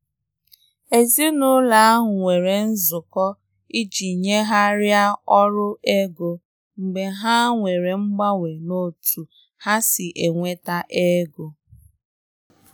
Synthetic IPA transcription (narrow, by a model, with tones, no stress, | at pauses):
e˨zi˦nʊ˦la˨a˦ɦʊ˨ŋʷe˨ɾe˨n̩˦zʊ˨kɔ˦ | i˦d͡ʒi˨ɲe˦ɦa˦ɾja˦ɔ˦ɾʊ˦e˦ɡo˨ | ŋ͡m̩˨ɡ͡be˨ɦa˦ŋʷe˨ɾe˨ŋ͡m̩˦ɡ͡ba˦ŋʷe˨no˦tʰu˨ | ha˦sɪ˨ʔe˨ŋʷe˦ta˦ʔe˦ɡo˨